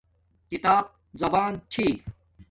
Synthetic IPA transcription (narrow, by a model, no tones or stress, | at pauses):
kit̪aːb̚ | zɐbaːnt͡ɕʰiː